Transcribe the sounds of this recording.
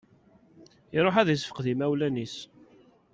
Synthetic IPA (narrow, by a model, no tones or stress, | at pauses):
iɾˤoħæðisfə̥qðimæwlænis